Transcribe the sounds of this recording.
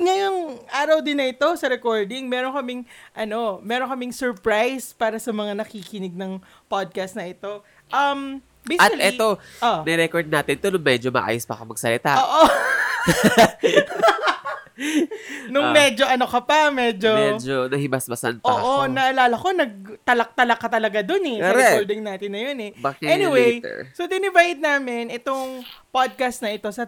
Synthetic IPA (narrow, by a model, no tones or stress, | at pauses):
ŋɐjʊŋʔaːɾɐwd̪ɪnːɐʔɪt̪o̞sɐɾɛkoɹd̪ɪŋmɛːɾonkɐmɪŋʔɐno̞mɛːɾoŋkɐmɪŋsɛɹpɹajspaːɾɐsɐmɐŋanɐkiːkɪnɪɡ̚nɐŋ | pad̪̚kɐst̪̚nɐʔɪt̪o̞ | ʔɐm | bejɐtkɐʔɛoʔonɛɾɛkoɹd̪̚naːt̪ɪnt̪onʊŋmɛd͡ʒomɐ̰ʔa̰ːjʊspɐkomɐɡ̚sɐlɪt̪aʔoːʔo | nʊmɛd͡ʒo̞ʔɐnokɐpɐmɛd͡ʒoɛd͡ʒonɐhɪbɐsmɐsɐ̰npɐːʔonɐʔɐlaːlɐko̞nɐɡ̚t̪ɐlɐk̚t̪ɐlɐkɐt̪ɐlɐɡad̪onɛkɾɛkold̪ɪŋnaːt̪ɪnːɐjonɛbakɛnɪwej̰sod̪ɪnɪvajd̪̚naːmɪnʔɪt̪oŋpad̪̚kast̪̚nɐʔɪt̪o̞sɐ